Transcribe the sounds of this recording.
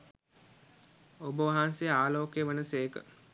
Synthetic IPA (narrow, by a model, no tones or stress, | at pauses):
obəʋaɦanseaːloːkjəʋənəseːkə̰